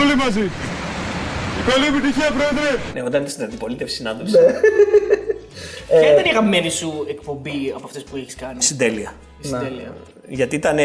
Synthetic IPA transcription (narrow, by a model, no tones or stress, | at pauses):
olimɐzi | kɐliepit̪içiɐpɾoeðɾeneot̪ɐnit̪ɐsnɐnd̪ipo̞lit̪efsinɐnd̪opse | çɐðenixɐme̞nisuek̚po̞mbiɐpoɐft̪espueçi̥skɐnist̪id̪eliɐ | sd̪eliɐ̰ | ʝɐt̪iit̪ɐne